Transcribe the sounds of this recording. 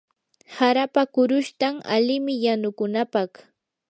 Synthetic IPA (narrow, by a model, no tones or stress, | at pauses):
haɾapakʊɾʊʃt̪ama̰lɪmɪjanʊkʊnapɑχ